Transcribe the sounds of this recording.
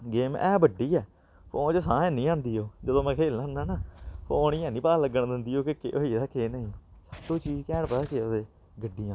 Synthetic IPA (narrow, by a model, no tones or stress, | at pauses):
ɡeːmɛːbəɖiːɛː | pʰoːnt͡ʃəsãːɛnĩːãːnd̪iːoːd͡ʒəd̪õːmɛ̃ːkʰeːlnãːnaːnaːpʰoːniːãːnĩːpaːləɡəɳd̪ɪnd̪iːoːkekḛʔoiːɾaːkʰeːnəĩːsəbt̪õːt͡ʃiːd͡ʒkɛːɳpəːkeod̪eː | ɡəɖːiːãː